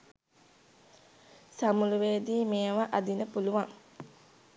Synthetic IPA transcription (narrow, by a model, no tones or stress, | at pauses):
samuluʋeːd̪iːmeːʋaʔad̪inəpuluʋaŋ